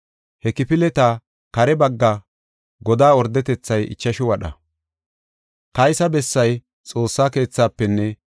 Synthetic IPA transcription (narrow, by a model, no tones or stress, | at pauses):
hɛkɪpɪlɛt̪a | kɐɾɛbɐɡːɐ | ɡɔd̪aːɔɾd̪ɛt̪ɛt͡sːɐjɪ̰t͡ʃːɐʃɪwɐɗɐ̰ | kɐjsɐbɛsːɐj | t͡sʼo̞ːsːaːke̞ːt͡sːaːpːɛnːɛ